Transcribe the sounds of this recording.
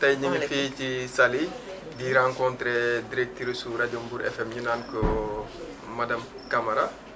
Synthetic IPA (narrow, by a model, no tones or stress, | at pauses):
tɐjɲiŋfiːcisɐli | diɾãŋkɔntɾɛdiɾɛk̚tiɾesuɾɐɟɔmbuɾʔɛ̰fɛmjinankɔ | mɐdɐm | kɐmɐɾɐ